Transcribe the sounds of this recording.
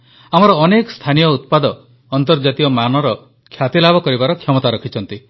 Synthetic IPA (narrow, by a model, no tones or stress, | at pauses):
amɔɾɔːnekɔst̪ʰanijɔut̪̚pad̪ɔː | nt̪ɔɾd͡ʒat̪ijɔmanɔɾɔ | kʰjat̪ilabʱɔkɔɾibaɾɔkʰjɔmɔt̪aɾɔkʰit͡ʃʰɔnt̪i